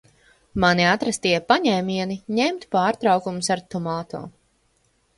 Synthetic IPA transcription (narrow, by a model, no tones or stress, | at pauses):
maniat̪ɾast̪iɛpaɲɛːmʲiɛniɲɛmt̪paːɾt̪ɾawkumʊsaɾt̪umaːt̪ɔ̰ː